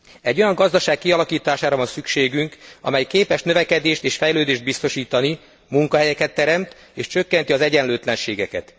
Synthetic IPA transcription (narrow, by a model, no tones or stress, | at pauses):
ɛɟːo̞jɒŋɡɒzd̪ɒʃaːkkːiɒlɒkiːt̪aːʃaːɾɒvɒnsykʃeːɡyŋkɒ̰mɛjkeːpɛʃnø̞vɛkɛd̪eːʃt̪eːʃfɛjløːd̪eːʃd̪bist̪o̞ʃiːt̪ɒni | muŋkɒɦɛjɛkɛt̪ːɛɾɛmt̪ | eːʃt͡ʃø̞kːɛnt̪iɒzɛɟɛnløːt̪lɛnʃeːɡɛkɛ̰t̪